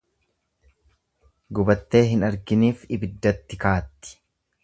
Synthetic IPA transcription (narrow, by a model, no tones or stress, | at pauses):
ɡʊbɐt̪ːe̞ːɦɪnɐɾɡɪniːfɪbɪd̪ːɐt̪ːɪkaːt̪ːɪ̥